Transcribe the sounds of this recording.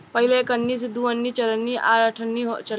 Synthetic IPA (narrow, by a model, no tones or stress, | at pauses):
pəɦilekənːiːsid̪uənːit͡ʃɐlənːiʔaɾaʈʰənːiɦot͡ʃəl